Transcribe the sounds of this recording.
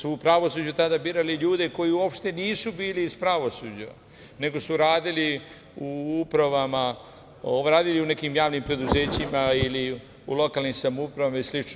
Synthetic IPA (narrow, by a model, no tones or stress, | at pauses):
suːpɾaʋo̞suːd͡ʑut̪ad̪abiːɾaliʎuːd̪e̞ko̞jiuo̞pʃt̪e̞niːsubiːliːspɾaʋo̞sud͡ʑa | ne̞ɡo̞suɾaːd̪ili | uupɾaʋama | oɾaːd̪iliune̞kiːmjaːʋnimpɾe̞d̪uzeːt͡ɕimaili | ṵlo̞kaːlnimsamupɾaʋamaislit͡ʃn